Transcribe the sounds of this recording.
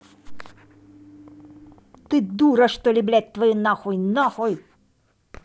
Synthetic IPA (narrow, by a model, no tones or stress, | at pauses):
t̪ɨd̪uɾɐʂt̪ɔlʲiblʲæt̪̚ʲt̪vɐjinɑxɔjnɑxɔj